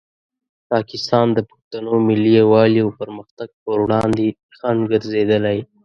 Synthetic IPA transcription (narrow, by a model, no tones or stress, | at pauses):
pɑkɪst̪ɑnd̪əpəxt̪anomɪlːiawɑliawpəɾməxt̪aɡ̚pəɾwɽɑnd̪e | xanɡəɾzed̪əlaj